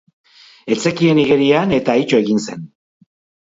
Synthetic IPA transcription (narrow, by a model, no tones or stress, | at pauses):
e̞t͡se̞kie̞niɣe̞ɾiane̞t̪aːjt͡ʃoe̞ɣinse̞̰n